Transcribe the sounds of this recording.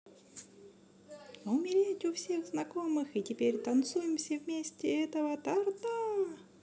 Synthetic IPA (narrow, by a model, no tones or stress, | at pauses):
oʊmʲɪɾʲetʲʊfsʲe̞ɣznɐko̞mɨxɨtʲɪpʲeɾʲt̪ɐnt̪sujɪmsʲəvmʲesʲtʲɪɛt̪əvət̪ɐrt̪a